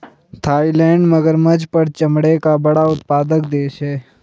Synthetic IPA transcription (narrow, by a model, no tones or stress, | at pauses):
t̪ʰaːilɛ̃ːɳɖməɡəɾməd͡ʒpəɾt͡ʃəmɽekabɐɽaʊt̪paːd̪əkd̪eːʃɦɛː